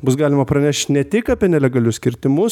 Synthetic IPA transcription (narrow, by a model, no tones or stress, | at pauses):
bʊs̬ɡɑːlʲɪmɐpɾɐnʲɛʃʲt̪ʲnʲɛt̪ʲɪkɑpʲiɛnʲɛlʲɛɡɐlʲʊssʲkʲɪɾʲt̪ʲɪmʊs